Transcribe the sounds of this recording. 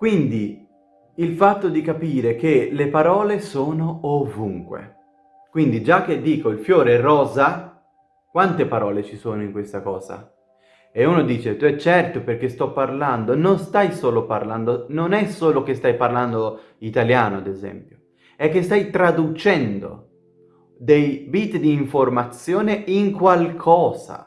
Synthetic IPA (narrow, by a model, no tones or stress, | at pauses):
kwind̪i | ilfat̪ːod̪ikapiːɾek̟elepaɾɔːlesoːnoovuŋkwḛ | kwind̪id͡ʒak̟ːed̪ːiːkoilfjoːɾeɛrɔːza | kwant̪epaɾɔːlet͡ʃisoːnoiŋkwest̪akɔːza̰ | euːnod̪iːt͡ʃet̪uɛt͡ʃːɛrt̪operk̟est̪ɔpːarland̪ononst̪ajsoːloparland̪ononɛsːoːlok̟est̪ajparland̪o | it̪aljaːnoad̪ezɛ̰mpjo | ɛkːest̪ajt̪ɾad̪ut͡ʃɛnd̪o̰ | d̪ejbit̪d̪iːɱformat̪sːjoːneiŋkwalkʰɔːza̰